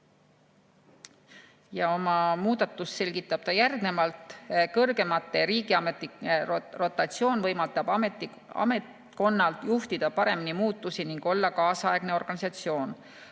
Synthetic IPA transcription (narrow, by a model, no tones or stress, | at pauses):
jɑomɑmuːd̪̥ɑt̪ːˑusːe̞lʲɡ̥it̪ːˑɑb̥̚t̪ɑjærɡ̥ne̞mɑlt̪ˑkɤrɡ̥e̞mɑt̪ˑːe̞ɾiːɡ̥iɑmet̪ːˑiero̞t̪ːˑɑt̪sio̞ːnvɤjmɑlt̪ɑb̥ɑmet̪ːi | ɑ̰met̪ | ko̞nːɑlt̪juht̪id̪̥ɑpɑɾe̞minimuːt̪ːˑusiniŋɡ̥o̞lːɑkɑːsɑe̞ɡ̥ne̞o̞rɡ̥ɑnisɑt̪sio̞ːn